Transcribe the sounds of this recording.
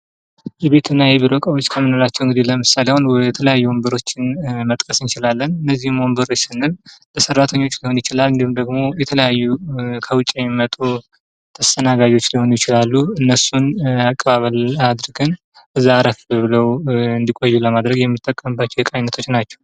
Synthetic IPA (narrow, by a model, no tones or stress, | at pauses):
jɛβe̞t̪ʰɨnːajɛβiɾokʼəwo̞t͡ʃːkʰəmːɨnolat͡ʃːɛwɨŋɡɨd̪iləmɨsalewonwjjɛt̪ʰələjajːuwombəɾo̞t͡ʃːɪnmət̪ʼkʼəsɨnt͡ʃɪlalːənɨnːəzːihɨmwombəɾsɨnːɨlləsərːat̪ʰəɲːo̞t͡ʃːliho̞njɪt͡ʃɪlalɨnd̪ihumd̪əɡmo̞jɛt̪ʰələjajːukʰəwʊt͡ʃʼemmːət̪ʼu | t̪ʰəst̪ʰʼənaɡad͡ʒo̞t͡ʃːliho̞njɪt͡ʃɪlalːuɨnːəsunakʼːəβaβəlad̪ɾɨɡɨn | ʔɨzːaːɾəfbəβɨləwɨnd̪ikʼojːuləmad̪ɾəɡjɛmːɨt̪ʼːəkʼːəmbat͡ʃːɛwjɛkʼajnːət̪ʰo̞t͡ʃːnat͡ʃːɛ̥w